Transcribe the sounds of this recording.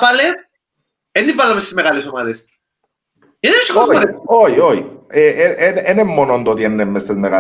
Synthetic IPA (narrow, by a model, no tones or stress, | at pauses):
pɐle | end̪ivɐlːɐmest̪izmeɣɐlesomɐðes | eðesikooɾeoioḭeeenʔenemːonond̪ot̪ienːemːest̪izmeɣa